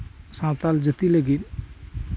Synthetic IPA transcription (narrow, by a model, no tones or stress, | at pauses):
sãːt̪ald͡ʒət̪iləɡin